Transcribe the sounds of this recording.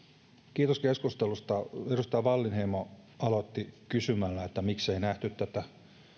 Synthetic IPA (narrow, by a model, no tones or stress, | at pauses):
kiːt̪oskeskust̪elust̪ɑerust̪ɑjɑʋɑlːinheimo | ɑlot̪ːikysymælːæet̪ːæmikseinæht̪yt̪t̪æt̪æ